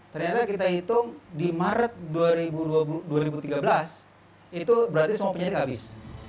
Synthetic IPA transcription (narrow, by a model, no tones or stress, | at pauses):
t̪ərɲat̪akit̪ait̪ʊŋdimaɾət̪̚duaɾibuduauduaɾibut̪iɡabəlas | it̪ubəɾart̪isəmuapəɲadɪk̪abɪs